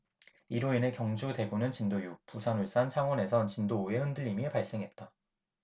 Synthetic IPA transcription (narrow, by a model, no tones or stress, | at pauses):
iɾoine̞kjʌŋd͡ʑude̞ɡunɯnt͡ɕindojuk̚pusʰanuɭs͈ant͡ɕʰaŋwʌne̞sʰʌnt͡ɕindoːe̞hɯndɯʎːimipaɭs͈e̞ŋɦe̞t̚t͈a